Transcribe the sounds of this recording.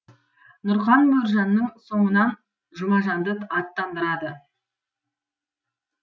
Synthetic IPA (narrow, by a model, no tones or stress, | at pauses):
nʊɾχɑnbɵɾʒɑnːəɴso̞ɴənɑn | ʒʊmɑʒɑnd̪ət̪ɑt̪ːɑnd̪əɾɑd̪ə